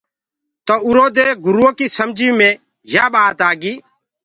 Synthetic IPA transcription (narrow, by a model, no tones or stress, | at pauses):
t̪oʊɾoːd̪eːɡʊɾuːokiːsəmd͡ʒʱiːmẽː | jaːɓaːt̪aːɡiː